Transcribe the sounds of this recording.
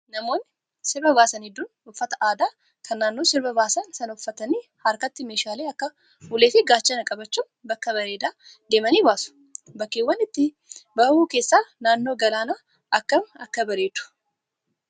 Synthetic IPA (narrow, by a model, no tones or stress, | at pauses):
nɐmo̞ːnːɪ | sɪɾbɐbaːsɐnɪd̪ːun | ʊfːɐt̪ɐʔaːd̪aː | kʰɐnːaːnːoːsɪɾbɐbaːsɐnsɐnʊfːɐt̪ɐniːhɐɾkɐt̪ːɪmeːʃaːleːɐkːɐ | ʊleːfɪɡaːt͡ʃːɐnɐkʼɐbɐt͡ʃːuːmbɐkːɐbɐɾeːd̪aː | d̪e̞ːmɐniːbaːsʊ̥ | bɐkːeːwːɐnːɪt̪ːɪ | bɐhuːke̞ːsːaːnaːnːo̞ːɡɐlaːna | ʔɐkːɐmɐkːɐbɐɾeːd̪ʊ̥